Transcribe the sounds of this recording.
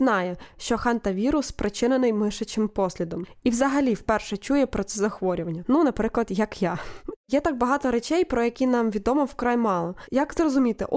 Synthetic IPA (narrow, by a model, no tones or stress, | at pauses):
nɑjɛʃt͡ʃɔxɑnt̪ɐʋʲiɾʊspɾʔɪt͡ʃɪnenɪjmɪʃɐt͡ʃɪmpɔsʲlʲid̪ɔmiwzɐɦɐlʲiwpɛrʃɛt͡ʃujɛpɾɔt̪sɛzɐxʋɔɾʲʊʋɐnʲːɐnunɐpɾɪklˠɐd̪jɐkjajɛt̪ɑɡ̚bɐɦɑt̪ɔɾɛt͡ʃɛjpɾɔjɐkʲinɑmʋʲid̪ɔmɔwkɾɑjmɑlˠɔjɐkzrɔzʊmʲit̪ɪ̰ʔ